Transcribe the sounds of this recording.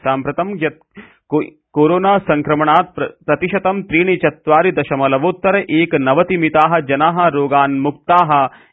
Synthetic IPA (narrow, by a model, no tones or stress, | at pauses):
saːmpɾɐt̪ɐmjɐt̪̚ | koːɾoːnaːsɐ̃ŋkɾɐmɐɳaːt̪̚ppɾɐt̪iʃɐt̪ɐmt̪ɾiːɳ̃it͡ʃɐt̪ʋaːɾid̪ɐʃɐmɐlɐʋoːt̪ːɐɾɐʔeːknɐʋɐt̪imit̪aːɦɐ̆d͡ʒɐnaːɦɐ̆ɾoːɡaːnmuk̚t̪aːɦɐ̆